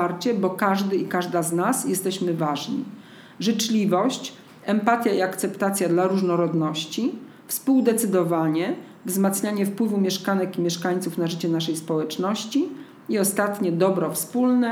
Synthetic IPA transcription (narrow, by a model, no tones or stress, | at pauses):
aɾt͡ɕɛbɔkaʐd̪ɘikaʐd̪aznasjɛst̪ɛɕmɘvaʐɲḭ | ʐɘt͡ʂlʲivɔɕt͡ɕ | ɛmpat̪ʲjaiakt̪sɛpt̪at̪sʲjad̪laɾuʐnɔɾɔd̪nɔɕt͡ɕi | fspuwd̪ɛt̪sɘd̪ɔvaɲɛ | vzmat̪sɲaɲɛfpwɘvumʲjɛʂkanɛkimʲjɛʂkaɲʲt̪sufnaʐɘt͡ɕɛnaʂ̬ɛjspɔwɛt͡ʂnɔɕt͡ɕi | iɔst̪at̪ɲɛd̪ɔbɾɔfspulnɛ